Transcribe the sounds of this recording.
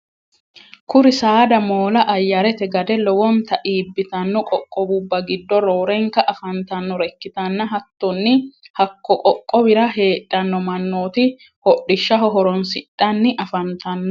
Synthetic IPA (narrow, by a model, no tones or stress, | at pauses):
kʊɾɪsaːd̪ɐmo̞ːlɐʔɐjːɐɾɛt̪ɛɡɐd̪ɛlɔwɔnt̪ɐʔiːbːɪt̪ɐnːɔkʼɔkʼːɔbʊbːɐɡɪd̪ːɔɾoːɾɛŋkɐʔɐfɐnt̪ɐnːɔɾɛkːɪt̪ɐnːɐɦɐt̪ːɔnːɪhɐkːɔkʼɔkʼːɔbɪɾɐɦe̞ːtʼːɐnːɔmɐnːoːt̪ɪ | hɔɗːɪʃːɐɦɔɦɔɾɔnsɪᶑːɐnːɪʔɐfɐnt̪ɐnːɔ